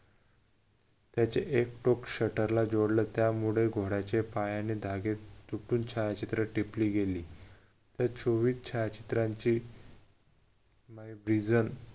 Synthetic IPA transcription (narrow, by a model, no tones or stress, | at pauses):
t̪jat͡ɕeʔekʈokɕəʈəɾlad͡ʑoɽlət̪jamuɭeɡʱoɽat͡ɕepajanid̪ʱaɡet̪uʈuːnt͡ɕʰajat͡ɕit̪ɾəʈipliːɡeliː | t̪jat͡sʰoʋiːst͡ɕʰajat͡ɕi̥t̪ɾãɲt͡ɕiː | majbɾid͡zən